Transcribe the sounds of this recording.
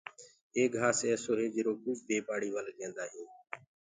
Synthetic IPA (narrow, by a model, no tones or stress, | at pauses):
eːɡɡʱaːseːsoːɾeːd͡ʒɪɾoːkʊd͡ʒb̪eːpaːɽiːʋəːlɗẽːnd̪aːɦĩː